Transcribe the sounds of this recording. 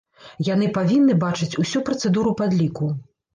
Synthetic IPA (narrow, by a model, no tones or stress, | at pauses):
jan̪ɨpavʲinːɨbat͡ʂɨt͡sʲusʲupɾɐt̪sɛd̪uɾupad̪lʲiku